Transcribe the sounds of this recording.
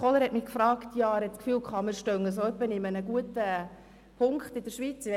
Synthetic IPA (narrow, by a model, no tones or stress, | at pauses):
oləɾhɛtmɪkfɾɑːktjɑɾhɛtt͡sskfyːlkʰχɑːmɪɾʃtœŋəsoœpːəniɪmənəɡuətə | pʰʊŋkχtɪd̥əɾʃʋiːt͡sɪɛ